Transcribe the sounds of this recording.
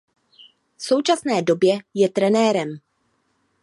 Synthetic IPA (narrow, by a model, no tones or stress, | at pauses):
fso̞wt͡ʃasnɛːdo̞bjɛjɛt̪ɾɛnɛːɾɛm